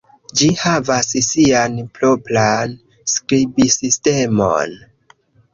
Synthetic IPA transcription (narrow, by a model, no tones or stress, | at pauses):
d͡ʒihavassianploplan | skɾibisistemo̰n